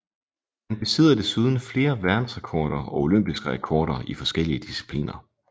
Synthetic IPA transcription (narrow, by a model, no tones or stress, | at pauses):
hænb̥e̝seð̞̰ˠɐd̥e̝suːð̞ˠn̩fle̝ːɐʋæɐd̥n̩sʁɛkʰɒːɾ̥ɐɒ̽o̝lømb̥isɡ̥əʁɛkʰɒːɾ̥ɐʔifɒ̽sɡ̥el̰iəd̥isi̥pʰlḭːnʔɐ